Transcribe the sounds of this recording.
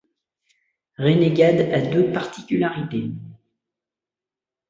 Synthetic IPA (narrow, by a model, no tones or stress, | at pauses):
ʁeneɡʲad̪ad̪øpaʁt̪ikʲylaʁit̪e